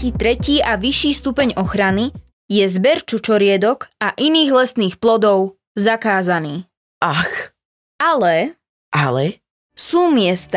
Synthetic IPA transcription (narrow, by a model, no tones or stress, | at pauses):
iːt̪ɾɛciːʔaʋiʃːiːst̪upɛɲɔxɾani | jɛzbɛɾt͡ʃut͡ʃɔɾɪɛd̪ɔkaʔiniːɣlɛsniːxplɔd̪ɔʊ | zakaːzaniː | ʔax | alɛ | ʔalɛ̰ | suːmɪɛst̪a